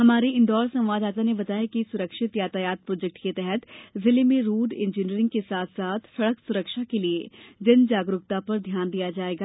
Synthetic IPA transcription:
ɦɐmaːɾeɪ̃nd̪ɔːɾsɐ̃mʋaːd̪aːt̪̬anebɐt̪aːjakisʊɾəkʃɪt̪jaːt̪ajaːt̪̚pɾɔːd͡ʒɛk̚ʈket̪ɛɦɛt̪zɪlemẽɾuːɖẽːnd͡ʒiniəɾɪ̃ŋɡ̚kesaːt̪ʰsaːt̪ʰsɐɽəksʊɾəkʃakelied͡ʒɐnd͡ʒaːɡɾʊkt̪apɐɾd̪ʱjaːnd̪ijad͡ʒaːeːɡaː

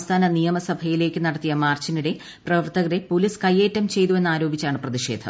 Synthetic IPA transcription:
mst̪ʰaːnɐnijɐmɐsɐbʱɐjile̞ːkʲːɨnɐɽɐt̪ːijɐmaːrt͡ɕiniɽe̞ | prɐʋɐrt̪ɐɣɐɾepoliskɐjːe̞ːtːɐmt͡ɕe̞jt̪ue̞nːaːɾo̞ːbʱit͡ɕːaːɳɨprɐðiɕe̞̰ːd̪ʱɐ̰m

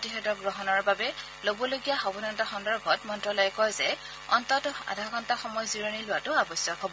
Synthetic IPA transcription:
tiɦɛtɔɡɹɔɦɔnɔɹbabɛ | lobɔloɡijaxɔbɔnantɔxɔndɔɹbʱɔtmɔntɹɔlɔjkɔjzɛ | ɔntɔtɔa̰dʱakɔntaxɔmɔjziɹonilʊwatʊabɔsjɔkɦobɔ

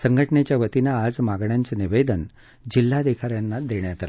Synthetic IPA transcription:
səŋɡʱəʈənet͡ɕjaʋət̪inaːd͡zmaɡɳjant͡səniʋed̪ən | d͡ʑil̤ːad̪ekʰaɾjanːad̪eɳjat̪ala

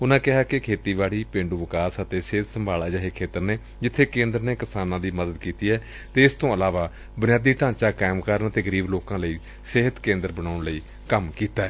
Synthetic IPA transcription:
ʊnãːkɪɦaːkɪkʰeːt̪iːʋaːɽiːpẽːɳɖuːʋɪkaːsət̪eːsɪːt̪səmbʱaːlaːd͡ʒaːɦeːkʰeːt̪əɾneː | d͡ʒɪt̪ʰːeːkẽːnd̪əɾneːkɪsaːnãːd̪iːməd̪əd̪kiːt̪iːɛː | t̪eːɪst̪õːəlaːʋaː | bʊnɪjaːd̪iːʈãːt͡ʃaːkaːɪmkəɾnət̪eːɡəɾiːbloːkãːləiː | sɪɦət̪kẽːnd̪əɾbənaːʊɳləiː | kəmkiːt̪aːɛː

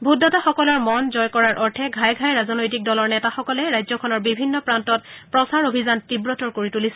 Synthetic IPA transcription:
bʱudɔtaxɔkɔlɔɹmɔnzɔjkɔɹaɹʔɔɹtʰɛɡʱajɡʱajɹazɔnojtik̚dɔlɔɹnɛtaxɔkɔlɛɹajzɔkʰɔnɔɹbibʱinːɔpɹantɔt̚pɹɔsaɹobʱizantibɹɔtɔɹkoɹitulisɛ

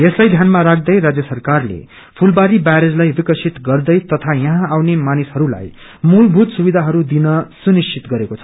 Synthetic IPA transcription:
eslajd̪ʱjanmaɾakʰd̪ʌjɾad͡zjʌsʌrkarlḛ | pʰulbaɾibaɾed͡zlajbikʌsʰit̪ɡʌrd̪ʌjt̪ʌt̪ʰajʌɦãawnemanishʌɾula̰j | mulbʱut̪subid̪ʱaɦʌɾud̪inʌsunist͡ʃʰit̪ɡʌɾekot͡sʰʌ̥

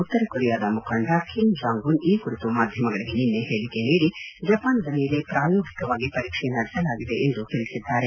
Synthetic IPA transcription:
ut̪ːɐɾɐkuɾijaːd̪ɐmukʰɐɳɖɐkʰimsaːŋɡuniːkuɾit̪umaːd̪ʱjɐmɐɡɐɭiɡe̞ninːeɦeːɭikeniːɽid͡ʒɐpaːnd̪ɐnilepɾaːjoːɡʱikɐʋaːɡipɐɾiːkʂɛjɐnɐɽɛsɐlaːɡid̪e̞ʔend̪ut̪eɭisid̪ːaːɾe

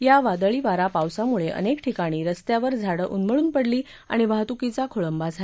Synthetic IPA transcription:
jaʋad̪əɭiːʋaɾapawsamuɭeʔə̰nekʈʰikaɽ̃iːɾəst̪jaʋəɾd͡zʱaɽəʔunməɭuːnpəɽliː | a̰ɽ̃iʋaɦt̪ukit͡sakʰoɭəmbad͡zʱa

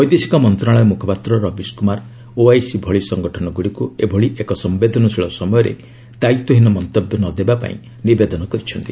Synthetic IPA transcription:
ɔjd̪esi̥kɔmɔnt̪ɾaɭɔjɔmukʰɔpat̪ɾɔɾɔbiskumaɾ | oajsibʱɔɭisɔŋɡɔʈʰɔnɔɡuɽikuebʱɔɭiʔekɔsɔmbed̪ʱɔnɔtʰiɭɔsɔmɔjɔɾḛ | t̪ajt̪uɦinɔmɔnt̪objɔnɔd̪ebapa̰ḭ̃ | nibed̪ɔnɔkɔɾit͡ʃʰɔnt̪i

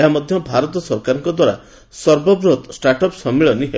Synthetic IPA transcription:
eɦamɔd̪ʱjɔbʱaɾɔt̪ɔsɔɾkaɾɔŋkɔd̪waɾa̰ | sɔɾbɔbɾot̪sʈaɾʈɔpsɔmːiɭɔniɦe

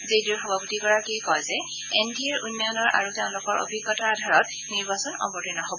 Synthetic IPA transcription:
zedixɔbʱaputiɡɔɹakijkɔjzɛ | endʱiɛɹunːɔjɔnɔɹʔa̰ɹutɛʊ̃lʊkɔɹʔo̰bʱiɡːɔtaadʱaɹɔt | niɹbasɔnɔ̰mbɔtinɔɦobɔ

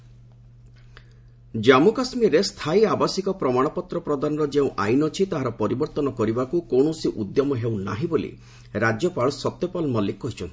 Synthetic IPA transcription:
d͡ʒamukasmiɾest̪ʰajabasikɔpɾɔmaɽ̃ɔpɔt̪ɾɔpɾɔd̪anɔɾɔd͡ʒeũʔajnɔt͡ʃʰit̪aɦaɾɔpɔɾibɔɾt̪ɔnɔkɔɾibakukoɳ̃ɔsiʔud̪jɔmɔɦewna̰ɦĩbolḭ | ɾad͡ʒjɔpaɭsɔt̪jɔpalmɔlːikːɔɦit͡ʃʰɔnt̪i̥

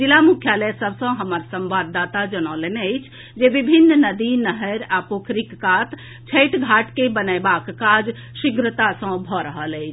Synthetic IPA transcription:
d͡ʒilamukʰjalɛsəbʱsə̃ɦəməɾsə̃mbad̪ːat̪ad͡ʒənɔleneəɪt͡ʃʰ | d͡ʒebibʱinːnəd̪inəɦəɾapokʰɾikːat̪ | t͡ʃʰəjʈɡʱaʈkebənəbakːad͡ʒ | sikɾət̪asə̃bʱɔɾəɦələɪt͡ʃʰ

